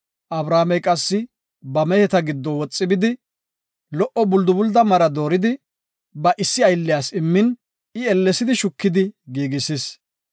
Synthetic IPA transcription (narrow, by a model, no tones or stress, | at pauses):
ʔɐbɾaːmɛjkʼɐsːɪ | bɐmɛhɛt̪ɐɡɪd̪ːɔwɔt͡sʼːɪbɪd̪ɪ | lɔʔɔbʊld̪ʊbʊld̪ɐmɐɾɐd̪o̞ːɾɪd̪ɪ | bɐʔɪsːɪɐjlːɪjaːsɪmːɪn | ɪɛlːɛsɪd̪ɪʃʊkːɪd̪ɪɡiːɡɪsɪs